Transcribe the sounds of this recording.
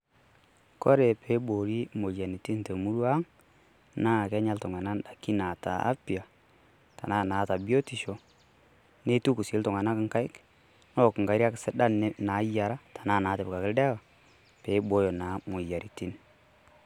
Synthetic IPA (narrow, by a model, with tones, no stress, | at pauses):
kɔ˦ɾe˨pʰe˨˦ɓo˨ɾi˦mo˨ja˨ni˨ti˦nte˨mu˦ɾwa˦ŋ | na˦˨kɛ˦ɲa˦ltɔ˨ŋa˨na˦nda˨ki˦na˨ta̰˨a̰˦pi˨a˨ | ta̰˨na˦˨naː˨˦˨ta˨bi˦o˦ti˨ʃo˨ | ne˦tu˦ku˨si˨˦ltɔ˨ŋa˨na˦kɪ˦ŋka˦ɪ˦k | nɔ˦˨kɪ˨ŋɡa˨˦ɾi˦a˦kɪ˨sɛ˦ɗa˦n˦na˨˦ja˨ɾa˦tḁ˨naː˦˨naː˨˦te˨bka˨kɪ˦ldɛ˦ka˨ | pe˨˦ɓo˦jo˨na˨˦mo˨ja˨ɾʔi˨ti˦n